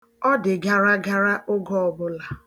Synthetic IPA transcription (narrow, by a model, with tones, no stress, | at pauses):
ɔ˦dɪ˨ɡa˨ɾa˦ɡa˦ɾa˦ʔʊ˦ɡɔ˦ɔ˨bʊ˦la˨